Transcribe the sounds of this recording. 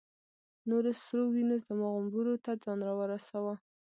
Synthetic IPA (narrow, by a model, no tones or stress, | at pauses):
noɾosɾowinozd̪əmaɣʊmbuɾot̪ad͡zɑnɾawəɾasawa